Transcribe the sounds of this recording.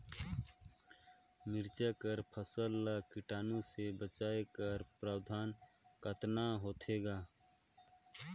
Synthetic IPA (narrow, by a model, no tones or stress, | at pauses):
mɪɾt͡ʃakəɾpʰəsəlːəkɪʈaːnõsebət͡ʃaːekəɾpɾaːwd̪ʱaːn | kət̪naɦoːt̪ʰeːɡaː